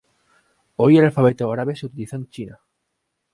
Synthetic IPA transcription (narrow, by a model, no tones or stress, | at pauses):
ojelalfaβet̪oaɾaβeseut̪iliθõnt͡ʃina